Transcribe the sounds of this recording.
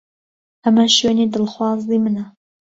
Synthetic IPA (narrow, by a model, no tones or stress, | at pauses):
ʔɐmɐʃeːnid̪ɨlxwɑːzimɨnɐ